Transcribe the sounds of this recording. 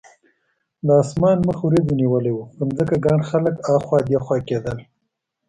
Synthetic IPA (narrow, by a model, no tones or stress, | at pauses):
d̪əɑːsmɑːnməxwɾed̪uniwəlawuənzəkaɡaɳxaləkɑxwɑd̪jaxwɑked̪əl